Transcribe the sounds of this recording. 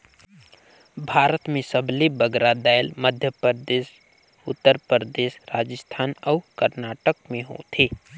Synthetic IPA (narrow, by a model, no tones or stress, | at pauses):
bʱaːɾət̪mẽsəblebəɡɾad̪aːjlməd̪ʱjəpəɾd̪eːʃ | ʊt̪ːəɾpəɾd̪eːʃɾaːd͡ʒəst̪ʰaːnɔkəɾnaːʈəkmẽɦo̰t̪ʰeː